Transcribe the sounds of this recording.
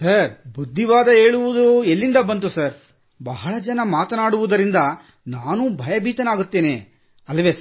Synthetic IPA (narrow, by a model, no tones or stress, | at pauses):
sɐɾbud̪ʱːiʋaːd̪ɐɦeːɭuʋud̪uelːind̪ɐbɐnt̪usɐɾ | bɐɦɐɭɐd͡ʒɐnɐmaːt̪ɐnaːɽuʋud̪ɐɾind̪ɐ | naːnuːbʱɐjɐbʱiːt̪ɐnaːɡut̪ːe̞ːneː | ɐlːɐʋeːsɐ